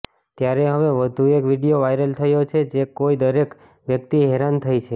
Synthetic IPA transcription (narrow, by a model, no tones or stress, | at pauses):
t̪jaɾeɦəʋeʋəd̪ʱuekʋiɽijoʋajɾəlt̪ʰəjot͡ʃʰed͡ʒekoid̪əɾek | ʋjəkt̪iɦeɾant̪ʰəjt͡ʃʰe